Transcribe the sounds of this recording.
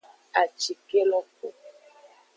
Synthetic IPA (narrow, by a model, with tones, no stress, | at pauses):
a˨t͡ʃi˨ke˦lɔ˦ko˨